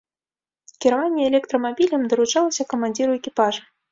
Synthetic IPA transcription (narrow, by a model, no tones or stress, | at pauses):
kʲiɾavanʲːɛɛlʲɛkt̪ɾɐmabʲilʲɐmd̪ɐɾut͡ʂalˠɐsʲɐkɐmanʲd͡zʲiɾuɛkʲipaʐ